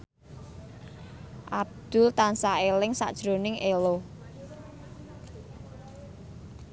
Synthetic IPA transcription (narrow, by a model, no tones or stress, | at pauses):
ʔab̚d̪̥ʊ̤lt̪ansaelɪŋsa̰ʔd̥ʒ̥ɾo̤nɪŋʔelo